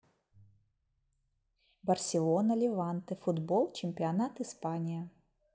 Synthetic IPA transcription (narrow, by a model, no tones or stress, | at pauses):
bɐrsʲɪlˠonɐlʲɪvant̪ɨfʊd̪boɔlˠt͡ɕɪmʲpʲɪanat̪ɨspanʲɪjɐ